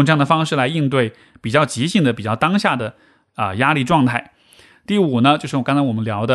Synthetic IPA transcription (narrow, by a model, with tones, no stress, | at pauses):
ʈ͡ʂɑ˥ŋnd̪ə˩fɑ˥ŋʂɻ̩˥˩la˧˥ɪi˥˧nt̪̬we˥˩ɪ | pi˨˩t͡ɕjɑ˥˩ʊt͡ɕi˧˥ɕi˥˩ŋd̪ə˩pi˨˩t͡ɕjɑ˥˩ʊt̪ɑ˥ŋɕja˥˩d̪ə˩ | ə˧˩ja˥li˥˧ʈ͡ʂwɑ˥˧ŋt̪ʰa˥˩ɪ | t̪i˥˩u˨˩nə˦t͡ɕjo˥˧ʊʂɻ̩˥˩˨ɑ˥ŋt͡sʰa˥wɔ˨˩mə˦nljɑ˧˥ʊd̪ə˧